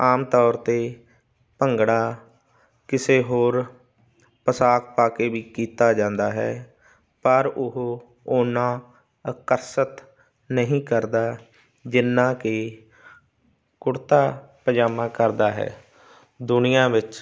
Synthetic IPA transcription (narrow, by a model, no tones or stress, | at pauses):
aːmt̪ɔːɾt̪eː | pəŋɡɽaː | kɪseːɦoːɾ | pəsaːkpaːkeːʋiːkiːt̪aːd͡ʒãːnd̪aːɦɛ̰ː | pəɾʊɦo | ʊːnãː | əkəɾsət̪ | nəɦĩːkəɾd̪aː | d͡ʒɪnːãːkeː | kʊɽt̪aːpəd͡ʒaːmãːkəɾd̪aːɦɛ̰ː | d̪ʊnɪjãːʋɪt͡ʃ